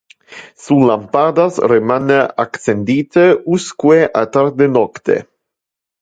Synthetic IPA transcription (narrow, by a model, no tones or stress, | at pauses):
sulampad̪asremaneaksend̪it̪euskweʔat̪aɾd̪enɔkt̪ḛ